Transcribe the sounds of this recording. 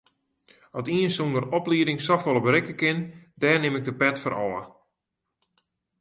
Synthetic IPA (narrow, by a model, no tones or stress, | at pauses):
ɔtiənsundərɔpliədɪŋsɔfolˠəbəɾɪkəkɪndɛːrnɪmɪɡ̚dəpɛtfɔɾɔ̰lə̰